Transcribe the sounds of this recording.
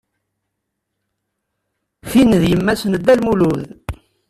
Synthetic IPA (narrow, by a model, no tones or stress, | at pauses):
finəðjəmːæsənəd̪ːælmuluð